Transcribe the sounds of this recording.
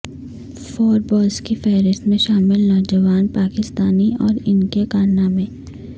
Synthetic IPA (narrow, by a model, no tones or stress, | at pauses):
fɔːɾbɔːlskifɛːɾɪst̪mẽʃaːmɪlnɔːd͡ʒəʋaːnpaːkɪst̪aːniɔːɾɪnkekaːnamẽː